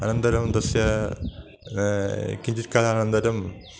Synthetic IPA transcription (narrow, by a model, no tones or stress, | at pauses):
ɐnɐnd̪ɐɾɐmd̪ɐsjɐ | kiɲd͡ʑiɾkaːlɐnɐnd̪ɐɾɐm